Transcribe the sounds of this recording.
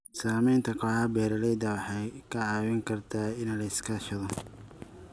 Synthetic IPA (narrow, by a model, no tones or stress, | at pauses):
saːmɛjnt̪ʰɐkʰɔhaːbɛːɾɐlɛjd̪ɐwɑħɑjkʰɐʕɑːwɪŋkʰɐrt̪ʰaːɪnlɐɪskʰɐʃɐðɔ